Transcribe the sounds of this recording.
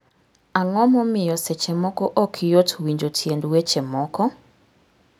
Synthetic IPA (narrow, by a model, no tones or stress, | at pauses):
aŋɔmɔmɪjɔsɛt͡ʃɛmɔkɔʔɔkʰɪjotwiɲd͡ʒotʰjendwet͡ʃɛmɔkɔ